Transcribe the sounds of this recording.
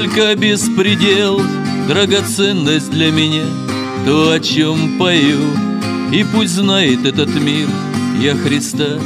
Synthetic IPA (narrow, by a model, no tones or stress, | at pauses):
olʲkəbʲɪspɾʲɪdʲelˠ | d̪ɾəɡɐt̪sɛnːəsʲt̚ʲd̪lʲɐmʲɪnʲa | t̪oɐt͡ɕompɐju | ipusʲtʲznajɪt̪ɛt̪ət̪mʲir | jaxɾʲɪst̪a